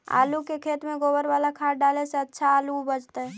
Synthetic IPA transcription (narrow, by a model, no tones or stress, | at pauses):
a̰ːlukekʰeːt̪mẽɡoːbəɾʋaːlakʰaːɾɖaːleseɐtːʃʰaaːlubəd͡ʒt̪aɦɛː